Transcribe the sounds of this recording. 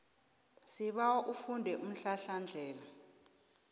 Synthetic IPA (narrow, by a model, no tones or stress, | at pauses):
siɓawɔʔufundʱɛʔum̩ɬaɬand͡ɮʱɛːla